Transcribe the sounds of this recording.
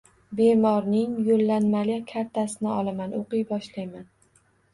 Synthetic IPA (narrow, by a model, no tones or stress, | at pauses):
be̞mɒɾnɪŋjolːanmalʲakʲʰaɾt̪ʰasɪnɪɒlˠamanʔoqɨjbɒʃlajman